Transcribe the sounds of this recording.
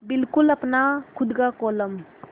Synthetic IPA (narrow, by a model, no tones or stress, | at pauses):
bilkulɐpnakʰʊd̪ɡakɔləm